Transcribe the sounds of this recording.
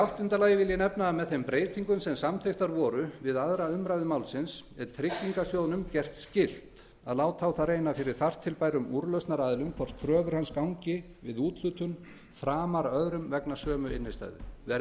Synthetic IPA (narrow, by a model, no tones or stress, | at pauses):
awht̪ʏnt̪alaːjɪvɪljɪnɛpnaːmɛðθejmpɾeːjt̪ʰiŋkʏmsɛmsamθeht̪aɾvɔːɾʏvɪðaðɾaʏmɾajvðʏmaːwlsɪnsɛɾ̥t̪ʰɾɪcːiŋkasjownʏmcɛr̥t̪scɪl̥t̪ | a̰ðlaːwt̪ʰawθarejnafɪɾɪɾ̥θar̥t̪ʰːɪlpajɾʏmuɾlœɥst̪naɾaːðɪlʏmkʰvɔr̥t̪̚kʰɾœːvʏɾ̥hanskawɲcɪ | vɪðuːt̪l̥ʏt̪ʏn | fɾaːmaɾœðɾʏmvɛknasœːmʏɪ̰nːɪst̪a̰jðʏ̰vɛ